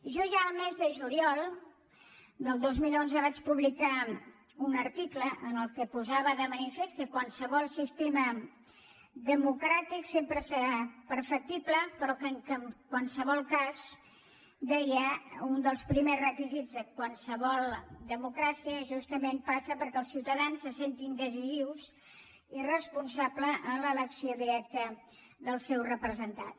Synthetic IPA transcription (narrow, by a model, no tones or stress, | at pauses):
ʒɔʒaəlˠmezðəʒuliɔlˠ | d̪əlˠd̪ozmilonzəβat͡ʃpuβlika | unəɾt̪ikləʔənəlˠkəpuzaβəðəmənifest̪̚kəkwansəβ̞ɔlˠsist̪emə | ðəmukɾat̪iksempɾəsəɾapəɾfək̚t̪ipləpəɾɔkəŋkəmkwansəβ̞ɔlˠkaz | d̪ɛjəund̪əlˠspɾimezrəkizid͡zðəkwansəβ̞ɔlˠd̪əmukɾasiəʒust̪əmenpasəpəɾkɛəlˠsiwt̪əðansːəsent̪ind̪əziziwz | irəspunsabləʔːlələksioðiɾɛk̚t̪ə | ðəlˠsɛwrəpɾəzənt̪a̰t̪